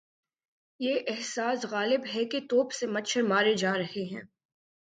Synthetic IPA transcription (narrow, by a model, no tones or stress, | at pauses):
jeʔɛɦsaːsɣaːlɪbɦɛket̪oːpsemɐtʃʰəɾmaːɾed͡ʒaːɾɐɦeɦɛ̃ː